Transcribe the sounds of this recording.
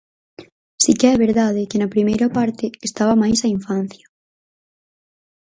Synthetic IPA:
sikeɛβeɾðað̞ɪkenɐpɾimejɾapaɾt̪ɪest̪aβɐmajsaiɱfan̟θjɐ

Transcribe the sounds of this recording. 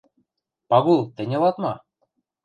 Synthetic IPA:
pɑɣulˠt̪ɘ̆nʲɤ̆lˠɑt̪mɑ

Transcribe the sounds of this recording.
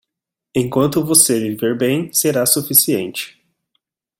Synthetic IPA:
ẽkwɐ̃nt̪ʊvoselɪveɾbẽj̃seɾasufisiḛ̃nt͡ʃɪ̥

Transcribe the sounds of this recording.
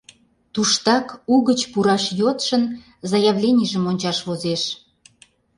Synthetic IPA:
t̪uʃt̪ɑkuɣət͡ɕpuɾɑʃjot̪ʃən | zɑjəβlʲenʲiʒəmonʲt͡ɕɑʃβozeʃ

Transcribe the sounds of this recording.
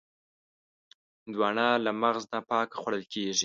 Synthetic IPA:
d̪wɑɳɑlamaɣznapɑkaxwaɽəlkʰeʒi

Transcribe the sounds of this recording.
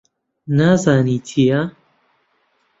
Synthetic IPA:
naːzaːniːt̪ʰija

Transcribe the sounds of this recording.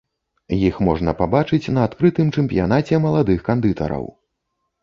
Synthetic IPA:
jixmɔʐnɐpabat͡ʂɨt͡sʲnɐːt̪kɾɨt̪ɨmt͡ʂɛmpʲija̰nat͡sʲɛmɐlˠad̪ɨxkand̪ɨt̪ɐ̰ɾɐ̰w

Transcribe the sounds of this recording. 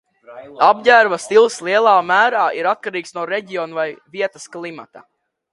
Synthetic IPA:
ab̚ɟæːɾvast̪ilˠslˠiɛlˠaːmæːɾaːʔiɾat̪̚kaɾiːksnuɔɾeɟiɔnuvajviɛt̪ɐsklˠima̰t̪a̰

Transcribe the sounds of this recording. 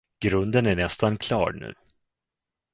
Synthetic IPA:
ɡ̥ɾɵnd̪ənæɳɛst̪ankʰlɑ̰ːɾɳʉ̟̰ː

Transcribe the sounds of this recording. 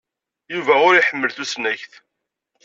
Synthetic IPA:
juvæʊɾijħəmːəlθusnæçθ

